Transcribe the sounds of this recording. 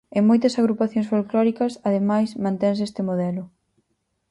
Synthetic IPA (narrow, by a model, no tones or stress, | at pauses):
ɪmojt̪ɐsaɣɾupaθjõŋsfolklɔɾikɐsɐðemajsmãnt̪ɛns̬est̪ɪmoðɛlʊ